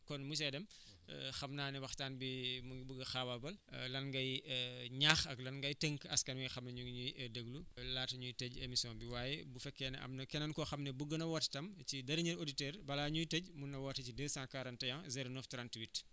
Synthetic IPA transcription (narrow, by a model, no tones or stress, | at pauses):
kɔnmus̬ɛdɛm̰ | xɐmnaːnɛwɐxtaːnbimubuɡɐxawabɐllɐnɡɐjɲaːxɐklɐnɡɐjteŋkɐskɐnwijxɐmnɐɲuɲujdəɡlulaːtɐɲujtɛɟemisiɔ̃nbiwaːjɛbufɛkːɛːnɛ̰ʔɐ̰mnɐkɛnɐnkɔxɐmnɛbuɡɐnɐwɔttɐmcidɐɾiɲiɾoditɛːɾbɐlaːɲujtɛɟ̚munːɐwɔtɐcidɛːsãːkaɾɐntɐjãzɛɾonɔftɾãntwit